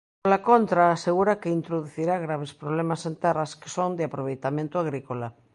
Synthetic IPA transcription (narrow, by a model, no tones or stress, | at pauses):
olakont̪ɾaːseɣuɾakeint̪ɾoðuθiɾaɣɾaβ̞espɾoβ̞lemasent̪ɛraske̥sond̪eapɾoβ̞ejt̪amẽnt̪oaɣ̞ɾikola